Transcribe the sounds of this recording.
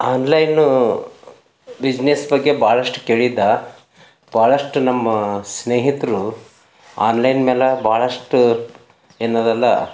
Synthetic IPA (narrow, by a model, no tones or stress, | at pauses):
aːnlɐjnu | bid͡ʒnesbɐɡːebʱaːɭɐʂʈu̥keːɭid̪ːɐ | b̥ʱaːɭɐʂʈunɐmːɐsneːɦit̪ɾu | aːnlɐjnmeːlɐbaːɭɐʂʈu | eːnoːd̪ɐlːɐ̰